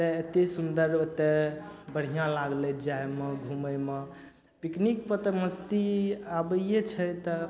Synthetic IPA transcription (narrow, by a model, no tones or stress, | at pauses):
t̪eet̪esund̪əɾt̪ːebəɽ̤ijãlaɡlɛd͡ʒaemeɡʱuməme | piknikpət̪məst̪iabəet͡ʃʰət̪ə